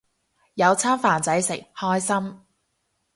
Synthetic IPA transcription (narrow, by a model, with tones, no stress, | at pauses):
jɐ˨˧wt͡sʰaː˥mfaː˨˩nt͡sɐ˨˥jsɪ˨˩ŋ̚hɔː˥jsɐ˥m